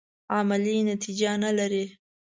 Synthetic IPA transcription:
ɑmɪlinat̪id͡ʒanalaɾi

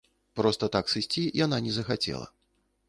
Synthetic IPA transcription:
pɾɔst̪ɐt̪aksɨsʲt͡sʲijananʲɛzɐxat͡sʲɛ̰lˠɐ̰

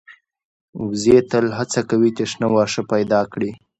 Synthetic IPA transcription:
wzet̪əlɦat͡sakawit̪eʂnawɑːʂəpajd̪ɑkɽi

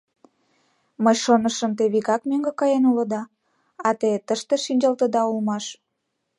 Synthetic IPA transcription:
məjʃonəʃəmt̪̬eβiɣɑkmøŋɡekɑjenulə̆d̪ɑ | ɑt̪et̪əʃt̪eʃinʲd͡ʑɑlt̪əd̪ɑulmɑʃ

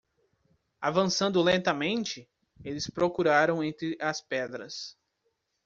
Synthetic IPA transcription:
avɐ̃sɐ̃nd̪ʊlẽnt̪ɐmẽnt͡ʃɪ | elɪspɾokuɾaɾɐ̃w̃ẽnt̪ɾɪʔɐspɛd̪ɾɐs

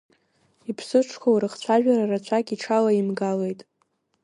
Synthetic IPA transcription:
ipʰsɨʈ͡ʂʰkʷʰawɾɨχt͡ɕʷʰaʒᶣaɾarat͡ɕʷʰakʲʼiʈ͡ʂʰalaimɡale̞jtʼ

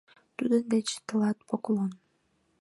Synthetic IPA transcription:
t̪ud̪ənd̪et͡ɕt̪ə̆lˠɑt̪̚poklˠon

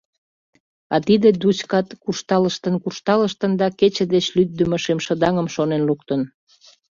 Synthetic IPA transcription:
ɑt̪id̪ed̪ut͡ɕkɑt̪kurʃt̪ɑləʃt̪ənkurʃt̪ɑləʃt̪ənd̪ɑket͡ɕĕd̪et͡ɕlyd̪̚d̪əməʃemʃə̆d̪ɑŋəmʃonenluk̚t̪ən

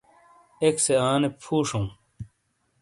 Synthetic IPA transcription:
ekseaːnepʰuːʂũː

